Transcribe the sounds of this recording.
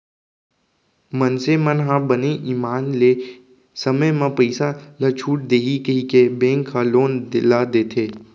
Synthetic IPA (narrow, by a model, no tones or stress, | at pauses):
mənsemənɦãbəneʔiːmaːnle | səməjmãpəɪsalət͡ʃʰuːʈ̚d̪eːɦikəɦikebẽːŋkʰːaloːnd̪ɪlad̪eːt̪ʰeː